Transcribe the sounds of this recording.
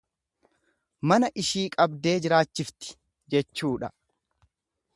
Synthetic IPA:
mɐnɐʔɪʃiːkʼɐbd̪e̞ːd͡ʒɪɾaːt͡ʃːɪft̪ɪ̥ | d͡ʒɛt͡ʃːuːᶑɐ

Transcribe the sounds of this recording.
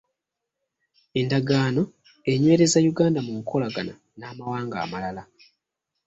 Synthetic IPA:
e̞ndaɡaːno̞ | e̞ɲwe̞ːɾe̞zajuɡaːndamuŋkʰo̞laɡana | naːmawaːŋɡa̰ːmalala

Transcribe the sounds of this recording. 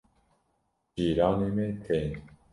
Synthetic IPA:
d͡ʒiːɾɑːneːmeːt̪ʰen

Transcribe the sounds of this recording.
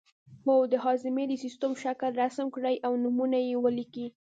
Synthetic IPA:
howd̪əɦɑzɪmed̪əsist̪əmʃakəlɾasmkɽəjʔawnumunajewəliki

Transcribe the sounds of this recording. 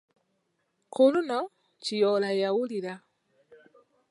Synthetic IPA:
kuluno | cijolajawuliɾa

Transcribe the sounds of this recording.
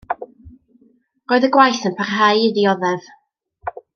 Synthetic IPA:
roːɨðəɡwajθənpʰarɦajɪðiɔðɛv̥

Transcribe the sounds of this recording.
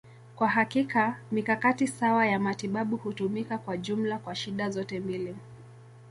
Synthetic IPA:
kwaɦakikamikakatisawajamatiɓaɓuhutumikakwaʄum̩lakwaʃiɗazɔtɛmbili

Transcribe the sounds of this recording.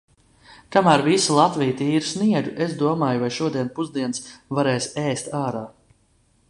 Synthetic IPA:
k̪amæːɾvisulˠat̪vijt̪iːɾusniɛɡuʔezd̪uɔmaːjuvajʃuɔd̪iɛnpuzd̪iɛnsvaɾɛːsɛːst̪aːɾaː

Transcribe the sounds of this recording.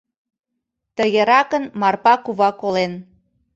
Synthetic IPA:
t̪əɣeɾɑkənmɑrpɑkuβɑkolen

